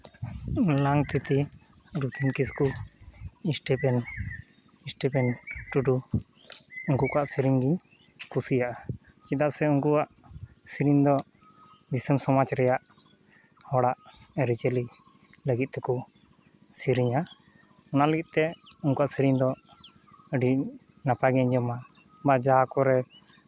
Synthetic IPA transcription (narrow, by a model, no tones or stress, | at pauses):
laŋt̪it̪i | ɾut̪ʰinkisku | isʈɛpɛn | isʈɛpɛnʈuɖu | uŋkukɔaʔsiɾiŋɡiɲ | kʰusijaʔa | t͡ʃid̪aʔsɛuŋkuaʔ | siɾiɲd̪ɔ | d̪isəmsɔmat͡ʃɾɛjaʔ | hɔɽaʔəɾit͡ʃɛli | ləɡit̪̚t̪ɛku | siɾiɲa | ɔnaʔləɡit̪̚t̪ɛuŋkuaʔsiɾiɲd̪ɔ | əɖi | napaɡɛɲd͡ʒɔma | bad͡ʒaakɔɾɛ